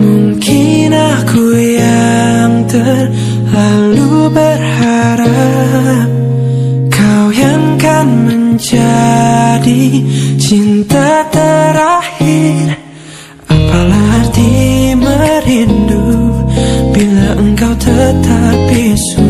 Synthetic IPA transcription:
muŋkʰɪ | na | kʰuja | ŋt̪ə | r | lalubərhaɾa | p̚ | kʰawjaŋkanməɲd͡ʒa | dit͡ʃint̪at̪əɾahir | apalahat̪iməɾindu | bilaʔəŋkawt̪ʰət̪apis

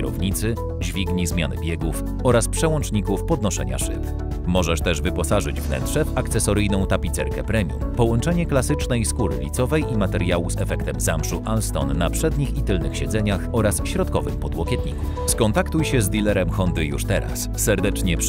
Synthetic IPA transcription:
ɾɔ̰vɲit̪sɘ | d͡ʑvʲiɡɲizmʲjanɘ̰bʲjɛɡuf | ɔɾaspʂɛwɔnt͡ʂɲikufpɔd̪nɔʂɛ̰ɲa̰ʂɘ̰p̪ | mɔʐɛʂt̪ɛʐvɘpɔsaʐɘd͡ʑvnɛ̰nt̪ʂɛvakt̪sɛsɔɾɘjnɔ̃w̃t̪apʲit̪sɛɾkɛpɾɛmʲjṵmpɔwɔnt͡ʂɛɲɛklasɘt͡ʂnɛjskuɾɘ̰lʲḭt̪sɔvɛjʔimat̪ɛɾjawuzɛfɛkt̪ɛmzamʂuʔalst̪ɔ̰nːapʂɛd̪ɲixit̪ɘlnɘxɕɛd̪zɛɲaxɔɾasɕɾɔt̪̚kɔvɘxpɔd̪wɔkʲɛt̪̚ɲiku | skɔnt̪akt̪ujɕɛzd̪ʲilɛɾɛmxɔnd̪ɘjṵʂt̪ɛɾa̰sːɛɾd̪ɛt͡ʂɲɛp

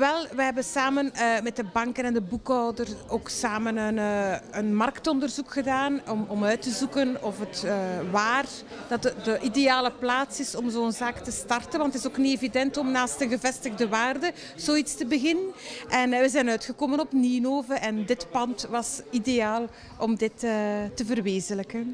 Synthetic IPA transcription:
ʋɛlˠʋɛɦɛbənsaːmənːmɛt̚dəbɑŋkənɛndəbukɔwdəroːksaːmənənːənmɑrktɔndərzukxədaːnɔmɔmœɥtəzukənɔfɦətəʋaːr | d̥ɑtdəʔidejaːləplaːtsɪsɔmzoːənzaːktəstɑrtənʋɑntɪzoːknitevidɛntɔmnaːstənɣəvɛstəɣdəʋaːrdə | z̥oːitstəbəɣɪnənʔɛnʋəzɛnœɥtxəkoːmənɔpniːnoːvərʔɛndɪtpɑntʋɑsidejaːlˠ | ʔɔmdɪtəːtəvərʋeːzələkən

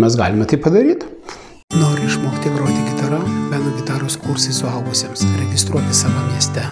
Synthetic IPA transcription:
mʲɛsɡɑ̰ːlʲɪmʲɛt̪ɐɪpɐd̪ɐɾʲiːt̪ | noːɾʲɪɪʃmoːkʲɪt̪ʲiɛɡɾoːt̪ʲɪɡʲɪt̪ɐɾɐbʲænɐɡʲɪt̪ɑːɾoskuɾsɐɪsʊɐlˠɡʊsʲeːmsɾʲɛɡʲɪst̪ɾuɔt̪ʲɪsɑːʋɐmʲiɛsʲt̪ʲɛ

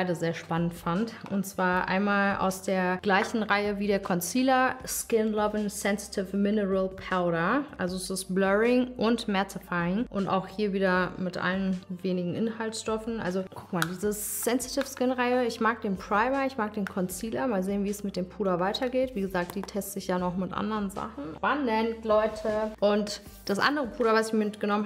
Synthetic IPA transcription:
aɪdəzeːɐʃpanəntfantʔʊntt͡sv̥aːɐʔa̰ɪnmaːlʔa̰ʊsd̥eːɐɡ̥laɪçn̩ʁaɪəviːɾeːɐkʰɔnt͡siːlɐskɪnlɔbənsɛnsi̥tʰɪfmɪnəʁəlpʰaʊɾɐʔa̰lzoɛsɪsblœʁɪŋʔʊntmɛɐt͡sɪfaɪɪŋʔʊnta̰ʊxhiːɐviːdɐmɪtʔa̰lənveːnɪɡŋ̩ʔɪnhaltʃtɔfn̩ʔa̰lzokʰʊk̚maːldiːzəsɛnsi̥tʰɪfskɪnʁaɪəɪçmaːk̚d̥eːnpʁ̥aɪmɐɪçmaːk̚d̥eːnkʰɔnt͡siːlɐmaːlzeːnviːɛsmɪt̚d̥eːmpʰuːdɐvaɪtʰɐɡeːtv̥iːɡəzaːk̚t̚d̥iːtʰɛstəɪçd̥aːnɔχmɪtʔa̰ndəʁənza̰χn̩b̥anːɛntlɔʏtʰəʔʊnt | d̥asʔa̰ndəʁəpʰuːɾɐvasɪçmmɪtɡ̥ənɔmən

